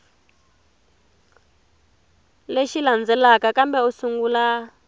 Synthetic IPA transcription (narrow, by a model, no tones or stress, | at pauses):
leʃiland͡zɛlakakambɛusuŋɡuːla